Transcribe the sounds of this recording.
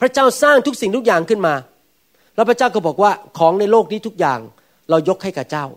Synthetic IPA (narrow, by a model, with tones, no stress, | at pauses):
pʰɾa˦˥t͡ɕaː˥˩wsaː˥˩ŋt̪ʰu˦˥k̚si˨˩ŋt̪ʰu˥k̚jaː˨˩ŋkʰɯ˥˩nmaː˧ | lɛ˦˥˩pʰɾa˥t͡ɕaː˥˩wkɔ˥˩bɔː˨˩k̚waː˥˩kʰɔː˩˦ŋna˧jloː˥˩k̚niː˦˥t̪ʰu˦˥k̚jaː˨˩ŋ | ɾa˧wjo˦˥k̚ʰha˥˩jka˨˩t͡ɕaː˥˩w